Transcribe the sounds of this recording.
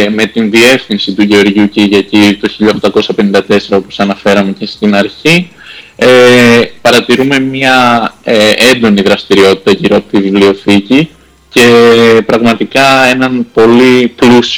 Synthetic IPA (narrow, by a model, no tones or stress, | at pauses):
me̞t̪inðie̞fθinsit̪uʝe̞o̞ɾʝuciʝɐcit̪o̞çiʎɐo̞xt̪ɐko̞sɐpe̞nind̪ɐt̪e̞se̞ɾɐo̞po̞̥sɐnɐfe̞ɾɐme̞ce̞st̪inɐɾçi | epɐɾɐt̪iɾume̞mɲɐeend̪o̞niðɾɐst̪iɾio̞t̪i̥t̪ɐʝiɾoɐpo̥t̪ivivlio̞θici | ce̞pɾɐɣmɐt̪ikɐe̞nɐnpo̞liplus